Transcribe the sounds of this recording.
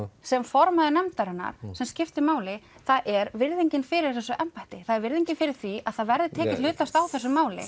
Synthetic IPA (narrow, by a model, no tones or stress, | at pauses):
sɛmfɔɾmaðɪnɛmt̪aɾɛnːa̰ɾ̥sɛmscɪft̪ɪmaːwlɪθaðʔɛɾvɪɾðiɲcɪnfɪɾɪɾ̥θɛsːʏʔɛmpajht̪ɪθaðɛɾvɪɾðiɲcɪnfɪɾɪɾ̥θviaðθaðvɛɾðɪt̪ʰɛːcɪl̥ʏːt̪ast̪awθɛsːʏmaːwlɪ̰